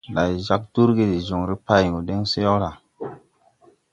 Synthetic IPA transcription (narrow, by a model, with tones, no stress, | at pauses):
la˨jza˦k̚du˦ɾɡe˦di˨zo˨ŋɾi˦pa˦jŋo˨de˦ŋse˦jo˦ɾa˨